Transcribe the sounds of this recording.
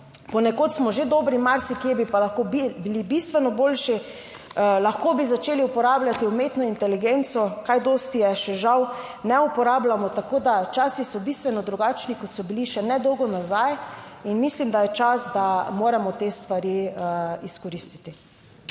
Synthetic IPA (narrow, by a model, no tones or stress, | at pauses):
pɔnɛkot̪smɔʒed̪obɾimaɾsikiɛbipalaxkobibilibist̪ʋɛnɔbolʃi | laxkobizat͡ʃeːliupɔɾaːblʲat̪iumeːt̪nɔint̪ɛliɡent̪sɔkajd̪ost̪ijɛʃɛʒaw | nɛupɔɾaːblamɔt̪akoːd̪at͡ʃaːsisɔbist̪ʋɛnɔd̪ɾuɡat͡ʃnikɔt̪sɔbiliʃɛnɛd̪ɔwɡɔnazajinmislimd̪ajɛt͡ʃasd̪amoːɾɛmɔt̪est̪ʋaɾiəiskɔɾist̪i̥t̪i